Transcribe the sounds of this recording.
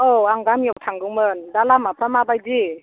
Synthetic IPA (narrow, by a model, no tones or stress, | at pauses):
ɔaŋɡamjɔtʰaŋɡɯŋmɯndalamapʰɾamabajzi